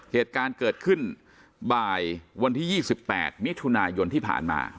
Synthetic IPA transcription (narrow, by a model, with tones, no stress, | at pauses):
heː˨˩t̪̚kaː˧nkɤː˨˩t̪̚kʰɯ˥˩n | baː˧˩jwa˧nt̪ʰiː˥˩jiː˥˩si˨˩pːɛ̰ː˨˩t̪̚mi˦˥t̪ʰu˧naː˧jo˧nt̪ʰiː˥˩pʰa̰ː˨˩nma̰ː˧